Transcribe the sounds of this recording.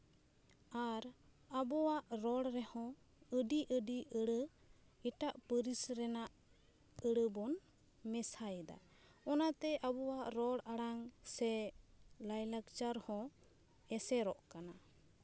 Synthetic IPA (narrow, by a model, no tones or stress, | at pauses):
aɾ | abɔwaʔɾɔɽɾɛhɔ̃ | əɖiʔəɖiʔəɽə | iʈaʔpəɾisɾɛnaʔ | əɽəbɔn | mɛsajɛd̪a̰ | ɔnat̪ɛʔabɔwaʔɾɔɽaɽaŋsɛ | lajlakt͡ʃaɾhɔ̃ | ɛsɛɾɔʔkana